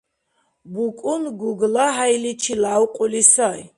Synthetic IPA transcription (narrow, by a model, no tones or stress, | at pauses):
bukʷʼʊnɡuɡlaɦajlit͡ʃʰilawqʷʼʊlisaj